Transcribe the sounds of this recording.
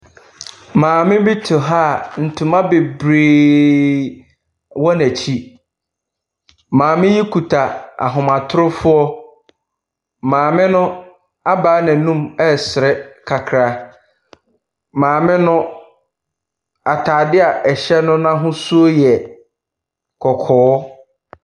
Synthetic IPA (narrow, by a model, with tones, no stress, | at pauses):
mãː˨mɪ̃˦bi˦tʰʊ˨ɦaː˦˨n̩˨tʰũ˨mã˦be˨bɾeː˨ | wɔ˦næ˨t͡ɕʰi˦ | mãː˨mɪ̃˦ji˦kʰu˨tʰa˨a̰˨ɦʊ̃˨mã˨tʰʊ˦ɾʊ˦fʊ˦ɔ˦ | mãː˨mɪ̃˦nʊ̃˦ | a˦baː˦nɪ̃˨nũ˦mɛ˦sɪ˨ɾɛ˦kʰa˨kʰɾa˨ | mãː˨mɪ̃˦nʊ̃˦ | a˨tʰaː˨dɪ˦a˨ʔɛ˨ɕɛ˦nʊ̃˦nã˦ɦʊ̃˦su˦o˦jɛ˨ | kʰɔ˨kʰɔː˨˦